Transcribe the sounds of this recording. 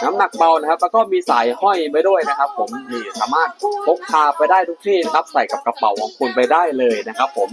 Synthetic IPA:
na˦˥mna˨˩k̚ba˧wna˦˥kʰa˦˥p̚lɛː˦˧˥kɔː˥˩miː˧saː˩˦jhɔ˥˩jma˧jdu˥˩əjna˦˥kʰa˦˥pʰːo˩˦mniː˧˩sa̰ː˩˦maː˥˩t̪̚kʰo˦˥k̚t̪ʰaː˧pa˧jdaː˥˩jt̪ʰu˦˥k̚t̪ʰiː˥˩na˦˥kʰa˦˥p̚sa˨˩jka˨˩p̚kɾa˧pa̰˨˦wkʰɔː˨˩˦ŋkʰu˧npa˧jdaː˥˩jlɤː˧jna˦˥kʰa˦˥pʰːo˩˦m

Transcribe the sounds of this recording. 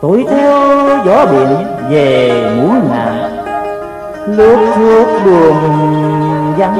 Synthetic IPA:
ko̰˧˨˦jt̪ʰɛ˧wzɔ˨˦ɓḭ˧˨ən | ve˨˩mu˨˦ənŋa̰ː˨ | lu˧˦k̚sɨ˧ək̚ɗɨ˨˩əŋ | za˧

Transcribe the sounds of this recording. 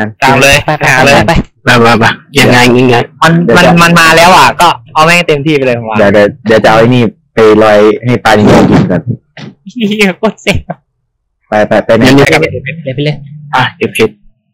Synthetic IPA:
a˧nt̪a˧˨˩mlɤː˧ja˧ɦaː˨˦lɤː˧ | a˧˩a˧˩pa˧˩ja˨˩aː˧˨ŋi˧˥˩ŋa˧˩ma˧n˨˧ma˧nma˧nmaː˧lɛː˦˥wʔa˨˩kɔː˥˩pʰɔː˧mɛ˥˩˥t̪e˧mt̪ʰiː˥˩pa˧lɤː˧pʰɔ˧˩waː˨jaː˨˩k̚t͡ɕa˨˩daː˨˧˦wt͡ɕa˨ʔa˧wha˥˩niː˥˩ | pa˧jlɔː˧jha˥˩jpaː˧jni˧˩ŋa˧˩˧ki˧˩nka˨˩p̚ | ko˧˥˩t̪̚se˨˩˧ | pa˧jpa˧˩jpa˧naa˧a˧a˧˩˧ʔa˧˩ke˨˩p̚kʰi˨˩t̪̚

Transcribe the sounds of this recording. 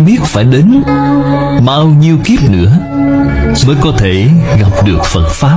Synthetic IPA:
ɓi˦˥ət̚faː˧˩jɗe˨˦n | ɓaː˧wɲi˧əwki˦˥əp̚nɨ̰˧˥ə | məː˨˦jkɔ˨˦t̪ʰe˧˩ɣa˨˩p̚ɗɨ˨˩ək̚fə˨˩t̚faː˦˥

